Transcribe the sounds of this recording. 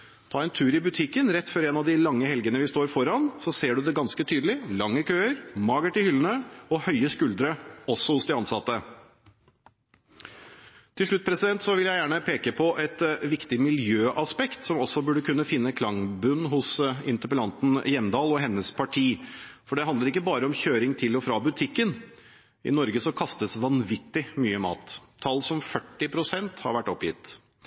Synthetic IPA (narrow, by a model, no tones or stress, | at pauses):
t̪ʰɑːɛnt̪ʰʉːɾɪbʉt̪ʰɪkːənɾɛt̪ːfɔɾɛnɑʋd̪ɪlɑŋːəhɛlɡənəʋɪst̪oːɾfɔɾɑnsɔseːɖʉd̪ɛɡɑnskət̪ʰyːd̪lɪlɑŋːəkʰøːəɾmɑːɡəʈɪhʏlənəɔhœʏəskʉld̪ɾəɔsːɔhʊsd̪ɛɑnsɑt̪ːə | t̪ʰɪlʂɭʉt̪̚ːpʰɾɛsɪd̪ɛnt̪sɔʋɪljæɪjæːɳəpʰeːkəpʰɔʔɛt̪ʋɪkt̪ɪmɪljøːʔɑspɛkt̪sɔmɔsːɔbʉɖəkʉnːəfɪnːəkʰlɑŋbʉnːɦʊsɪ̰nt̪əpəlɑnt̪n̩jɛmːd̪ɑːlɔɦɛnːəspʰɑʈʰiːfɔɖɛhɑnd̪ləɾɪkːəbɑːɾəɔmçøːɾɪŋt̪ʰɪlɔfɾɑːbʉt̪ʰɪkːən | ʔɪ̰nɔɾɡəsɔkʰɑst̪əsʋɑnʋɪt̪ːɪmyːəmɑ̰ːt̪ʰːɑlːsɔmfœʈːɪpʰɾʊsɛnt̪hɑ̰ɾʋæʈːɔpjɪ̰t̪ː